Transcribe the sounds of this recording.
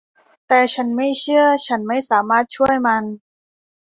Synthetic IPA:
t̪ɛː˨˩t͡ɕʰa˦˥nma˥˩jt͡ɕʰɯ˥˩ɐt͡ɕʰa˦˥nma˥˩jsaː˩˦maː˥˩t̪̚t͡ɕʰu˥˩əjma˧n

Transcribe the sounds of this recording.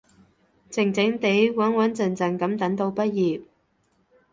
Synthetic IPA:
t͡sɪ˨˩ŋt͡sɪ˨˥ŋt̪e˨˥jwɐ˨˥nwɐ˨˥nt͡sɐ˨˩nt͡sɐ˨nkɐ˨˥mt̪ɐ˨˥ŋt̪o˧wpɐ˥t̚jiː˨p̚

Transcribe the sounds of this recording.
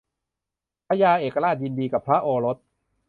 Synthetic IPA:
pʰa˦˥jaː˧ʔeː˨˩kːa˧aː˥˩t̪̚ji˧ndiː˧ka˨˩pʰɾa˦˥ʔoː˧ɾo˦˥t̪̚

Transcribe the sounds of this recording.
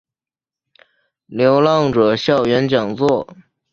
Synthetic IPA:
ljo˧˥ʊlɑ˥˩ŋʈ͡ʂɤ˨˩ɕjɑ˥˩ʊɥɛ˧˥nt͡ɕjɑ˨˩ŋt͡swɔ˥˩

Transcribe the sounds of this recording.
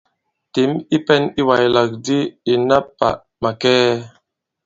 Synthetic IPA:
te˨˦mi˦pɛ˦ni˦wa˨jla˨k̚di˦i˨na˦pːa̰˨ʔ | ma˨kɛː˦

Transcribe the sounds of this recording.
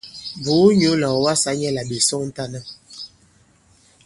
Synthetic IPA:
bu˨˦ɲo˦lɔ˨wa˦sa˨˦ɲɛ˦la˨bi˨sɔ˦n̩˦ta˦nə˦

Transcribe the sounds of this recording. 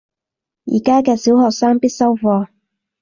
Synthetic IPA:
jḭː˨˩kaː˥kɛː˧si˨˥whɔː˨k̚saː˥ŋpi˥t̚sɐ˥wfɔː˧

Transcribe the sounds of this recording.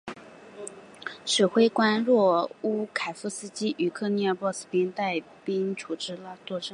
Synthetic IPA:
ʂə˨˩xwe˥ɪkwa˥nɻwɔ˥˩u˥kʰa˨˩ɪfu˥sɹ̩˥t͡ɕi˥ʔy˧˥kʰɤ˥˧ni˥a˧pwɔ˥˩sɹ̩˥˩pi˥nt̪a˥˩ɪ | pi˥nʈ͡ʂʰu˨˩ʈ͡ʂɻ̩˥la˥˧t̪wɔ˥˩ʈ͡ʂɤ˥˩ŋ

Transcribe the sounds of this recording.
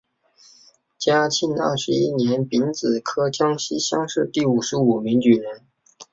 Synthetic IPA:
t͡ɕja˥t͡ɕʰi˥˩nə̰˞˥˩ʂɻ̩˧˥i˥njɛ˧˥npi˧˥nt͡sɹ̩˨˩kʰɤ˥t͡ɕjɑ˥ŋɕi˥ɕjɑ˥ŋʂɻ̩˥˧t̪i˥˩u˨˩ʂɻ̩˧˥u˨˩mi˧˥ŋt͡ɕy˨˩ɻə˧˥n

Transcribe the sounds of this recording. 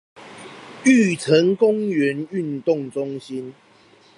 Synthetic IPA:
y˥˨t͡sʰə˨˦ŋkʊ˦ŋɥɛ˨˦ny˥˨nt̪ʊ˥˨ŋt͡sʊ˦ŋɕi˦n

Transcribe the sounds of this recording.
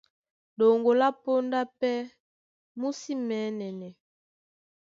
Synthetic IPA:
do˨ŋɡo˨la˦po˦nda˦pɛ˦ | mu˦si˦mɛː˨˦nɛ˨nɛ˨

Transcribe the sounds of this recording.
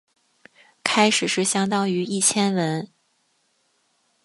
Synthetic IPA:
kʰa˥ɪʂɻ̩˨˩ʂɻ̩˥˩ɕjɑ˥ŋt̪ɑ˥ŋy˧˥i˥˩t͡ɕʰjɛ˥nwə˧˥n

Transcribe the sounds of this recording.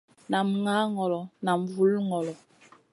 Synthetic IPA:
na˨mŋa˦ŋɔ˨lɔ˨na˨m˨vu˨˦lŋɔ˨lɔ˨

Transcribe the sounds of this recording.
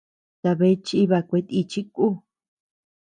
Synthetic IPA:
t̪a˧βe˧˦t͡ʃi˦βa˧kʷe˧˦t̪i˧t͡ʃi˦ku˦

